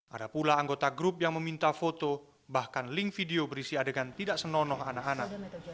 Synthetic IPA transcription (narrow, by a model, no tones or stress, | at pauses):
ʔadapulaːŋɡot̪aɡɾʊp̚jaŋməmint̪afot̪o | bahkanlɪŋkfideobəɾisiadəkant̪idaʔsənɔnɔɦanakanak̚